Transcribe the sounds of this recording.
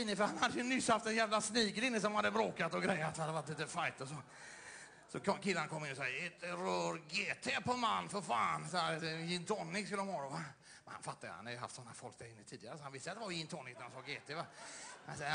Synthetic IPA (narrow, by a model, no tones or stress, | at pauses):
ɪnːəfœɾhanhad̪ːəjɵnʏsːhaft̪ɛnjæːvlasniːkət̪ɪnːəs̬ɔmhad̪ːəbɾoːkat̪ɔɡɾɛjːat̪hanad̪ːəvaʈliːt̪əfajt̪əsɔ | sɔkɔkʰɪlːanakʰɔmːɪnːɔsɔet̪ɾœːɾɡeːt̪ʰepɔmanːfɔɾfaːnsɛjɪnt̪ʰɔnːɪkskɵlːəɔmhɑːɾɔva | mmɛnha̰nfat̪ːajʉ̰ha̰nadjʉɦa̰ft̪sɔnːafɔlkt̪ɛɪnːət̪ʰiːd̪ɪɡaɾəsɔhanvɪst̪əat̪d̪ɛvaɾjɪnt̪ʰɔnːɪknaɾansɑːɡeːt̪ʰevahansɛ